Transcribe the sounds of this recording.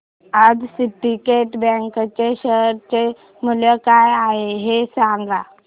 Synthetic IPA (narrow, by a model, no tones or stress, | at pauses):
ad͡zsiʈikeʈbɛ̃ŋkət͡ɕeɕəɾt͡ɕe | muləkajaɦeɦesãŋɡa